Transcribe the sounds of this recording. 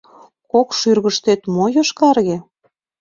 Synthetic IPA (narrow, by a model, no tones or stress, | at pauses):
kokʃyrɣəʃt̪et̪mojoʃkɑrɣe